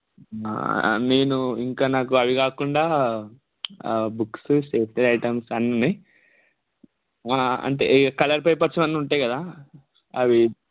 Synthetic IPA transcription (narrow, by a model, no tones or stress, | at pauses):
a̰ne̞ːnuiŋkaːnaːkuɐʋikaːkuɳɖaː | buksuseːst̪elɐjʈɐmsɐnɐni | aːɐ̰ɳʈḛkɐlɐɾpɐjpɐt͡ʃːɐmɐnːuɳʈaːjkɐd̪aː | ɐʋi